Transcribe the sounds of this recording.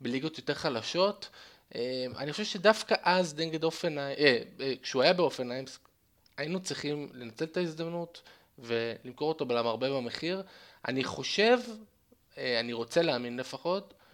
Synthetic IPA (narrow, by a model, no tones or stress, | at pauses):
beliɡo̞t̪jo̞te̞ʁχalaʃo̞t | ema̰niχoʃevʃedafkaʔazdeŋɡedofenaekʃeuajabeofenajms | ainut͡sʁiχimle̞nat͡se̞lt̪aizd̪amnut | ve̞limko̞ʁo̞tobelamaʁbe̞bame̞χiʁa̰niχo̞ʃe̞v | aniʁo̞t͡se̞leaːminlefaχo̞t